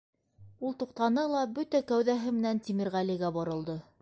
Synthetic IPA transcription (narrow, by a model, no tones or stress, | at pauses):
ulˠt̪uqt̪ɑnɤlˠɑbɵt̪ækæwðæɦɘmɘ̆nænt̪ʲimiɾʁæliɡæbɑɾɤ̆lˠd̪ɤ